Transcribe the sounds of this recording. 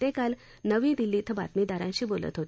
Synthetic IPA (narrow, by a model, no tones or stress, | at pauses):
t̪ẽkal | nəʋĩːd̪ilːiːt̪ʰəba̰t̪mid̪aɾãɲɕiːbolə̰t̪ɦot̪i̥